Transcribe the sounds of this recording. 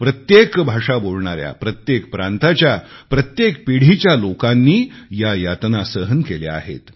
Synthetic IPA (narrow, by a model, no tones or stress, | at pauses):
pɾət̪jekbʱaʂabolɳaɾja̰pɾət̪jekpɾant̪at͡ɕjapɾət̪jekpiɽ̤it͡ɕjalokanːiːjajat̪nasəɦənkelea̰ɦḛt̪